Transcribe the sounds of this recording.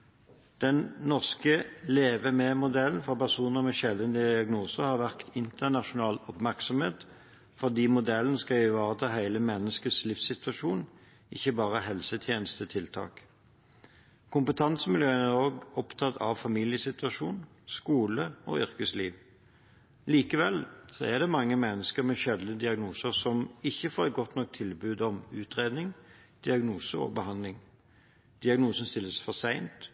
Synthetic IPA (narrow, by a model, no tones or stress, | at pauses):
d̪̥ɛnnɔʁskəleːʋəmɛmʊd̪ɛlən̩fɔpæʁsuːnəʁmɛʃɛld̪ənd̪əd̪ɪɑɡnuːsəʁhɑːʁʋæʁkt̪ɪnt̪əʁnɑʃʊnɑːlɔpmæʁksɔmheːt̪ | fɔʁd̪iːmʊd̪ɛln̩skɑɪʋɑːʁət̪ʰɑːhæɪləmɛnːəskəslɪfsɪt̪ʋɑʃuːn | ʔɪ̰çːəbɑːʁəɦɛlsət̪ʰjeːnəst̪ʰət̪ʰɪlt̪ʰɑ̰ːk | kʰʊmpət̪ʰɑnsəmɪljøːənæʁoːɡɔpt̪ʰɑt̪ʰɑ̰ʋfɑmiːlɪjəsɪt̪ʋɑʂuːn | skuːləɔ̰ʏʁkəsliːʋ | liːkəʋɛlsɔæd̪ɛmɑŋːəmɛnːəskəʁmɛʃɛd̪nəd̪ɪɑɡnuːsəʁsɔmɪçːəfoːɾɛt̪̚ɡɔt̪nɔk̚t̪ʰɪlbʉːd̪ɔmʉːt̪ʁeːd̪nɪŋd̪̥ɪɑɡnuːsəɔ̰bəhɑnlɪŋ | d̪̥ɪɑɡnuːsən̩st̪ɪlːəsfɔʁsæɪnt̪